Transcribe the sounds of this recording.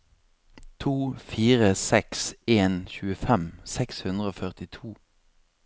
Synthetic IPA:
t̪ʰuːfiːʁəsɛkseːnçʉːəfɛmsɛkshʉnd̪ʁəoːfœʁt̪ɪt̪ʰuː

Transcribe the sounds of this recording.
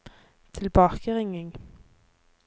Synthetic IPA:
t̪ʰɪlbɑːkəʁɪŋɪŋ

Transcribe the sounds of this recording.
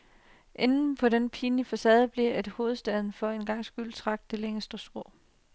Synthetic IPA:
ʔe̝nn̩pʰɒ̽ɾenpʰiːnifæsɛ̰ːð̩ˠb̥liɐe̝d̥ho̝ːð̩ˠsd̥ɛð̞ˠn̩fɒ̽e̝nɡ̥ɑ̈ŋ̰sɡ̥yl̰t͡sʰʁɑ̈ɡ̥̚d̥d̥e̝leŋəsd̥əsɡ̥ʁɔ̰̽ː

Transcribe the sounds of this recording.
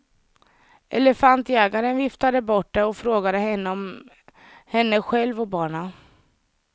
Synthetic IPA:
ʔɛ̰ləfant̪ɛːɡaɾənvɪft̪ad̪əbɔʈ̚ːd̪ɛɔfɾoːɡad̪əɦɛnːəɔm | hɛnːəɧɛlvɔbɑːɳa

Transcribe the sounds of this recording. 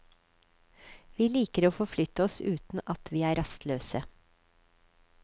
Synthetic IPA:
ʋiːliːkəɾoːfɔflʏt̪əɔsʉːt̪n̩ʔɑt̪ʰʋiːæːɾɑst̪løːsə

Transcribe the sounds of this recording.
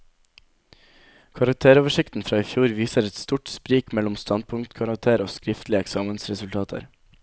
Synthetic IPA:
kʰɑɾɑk̚t̪ʰeːɾoːʋəʃɪkt̪n̩fɾɑːiːfjuːɾʋiːsəɾɛt̪st̪uːʈspɾiːkmɛlʊmst̪ɑnd̪̚pʰʊŋt̪kʰɑɾɑk̚t̪ʰeːɾoːskɾɪft̪lɪəɛksɑːmənsɾɛsʉlt̪ʰɑːt̪ʰə̰ɾ

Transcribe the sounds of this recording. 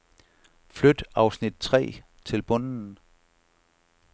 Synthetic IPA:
flød̥ɑ̈ʊsnid̥̚t͡sʰʁɛ̰ː | t͡sʰe̝lb̥ɔ̽n̰n̩

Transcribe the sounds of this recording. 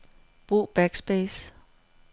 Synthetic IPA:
b̥ʁṵːb̥æɡ̥sb̥ɛːs

